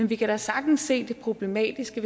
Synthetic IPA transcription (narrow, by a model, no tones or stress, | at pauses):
enʋikʰæɾ̥ɑsɑ̈ɡ̥̚d̥n̩sːe̝̰ːd̥e̝pʰʁo̝b̥le̝mɛ̰ːd̥isɡ̥əʋe